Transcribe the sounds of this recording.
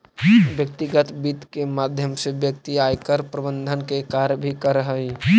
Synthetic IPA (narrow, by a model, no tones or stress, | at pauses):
bjək̚t̪iɡət̪bit̪kemaːd̪ʱjəmsebjək̚t̪iajkəɾpɾəbənd̪ʱənkekaɾjəbʱikəɾəɦəi